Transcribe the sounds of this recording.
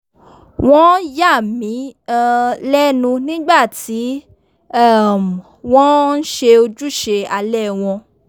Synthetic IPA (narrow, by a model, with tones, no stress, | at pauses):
w̃ɔ̃˦ja˦˨mĩ˨˦˧ | lɛ˦nũ˧nĩ˦ɡ͡ba˦˨ti˨˦ | a˦˨m˨ | wɔ̃˦n̩˦ʃe˧o˧d͡ʒu˦ʃe˧a˧lɛ˦˨w̃ɔ̃˧